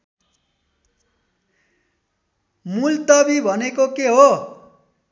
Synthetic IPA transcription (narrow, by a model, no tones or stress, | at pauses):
mult̪ʌbibʱʌnekokeɦo